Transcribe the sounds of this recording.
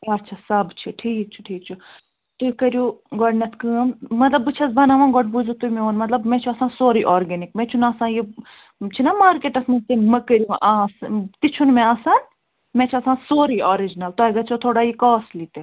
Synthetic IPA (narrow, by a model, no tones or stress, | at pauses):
ɐtːʃʰasɐbt͡ʃʰiʈʰiːk̚t͡ʃʰu̥ʈʰiːk̚t͡ʃʰu | t̪ukɐɾjuɡɔɖnɐt̪ʰkɨːmmɐt̪lɐbɨt͡ʃʰɐsbɐnaʋãːɡɔʈ̚buzut̪umẽoːnmɐt̪lɐbmɛ̃ːt͡ʃʰuɐsãːsoːɾiʔɔːɾɡenikmɛ̃t͡ʃʰunaːsãːji | t͡ʃʰinɐmaːɾkeːʈɐsmɐ̃t̪emɐkɐɾʲjuʔast̪it͡ʃʰunmɛ̃asaːn | mɛ̃ːt͡ʃʰiɐsãːsoːɾiʔoːɾid͡ʒnɐlt̪oɡɐt͡ʃʰot̪ʰoːɽaːjikɔːslit̪e